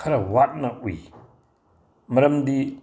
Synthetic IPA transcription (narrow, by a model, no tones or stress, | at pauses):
ɐɾɐwat̚nɐuj | mɐɾɐmdi